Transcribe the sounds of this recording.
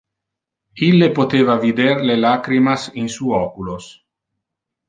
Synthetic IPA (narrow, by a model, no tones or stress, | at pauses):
ilːepot̪eːvavid̪erlelakɾimasinsuɔkulos